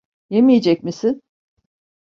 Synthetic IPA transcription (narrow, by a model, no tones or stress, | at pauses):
jemije̞d͡ʒɛc̚misin